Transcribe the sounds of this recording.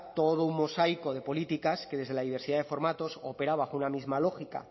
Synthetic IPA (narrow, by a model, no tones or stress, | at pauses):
t̪o̞ðouŋmosajko̞ðe̞po̞lit̪ikaske̞ðe̞zðe̞laðiβ̞e̞ɾsiðaðe̞fo̞ɾmat̪o̞sope̞ɾaβaxounamizmalo̞xika̰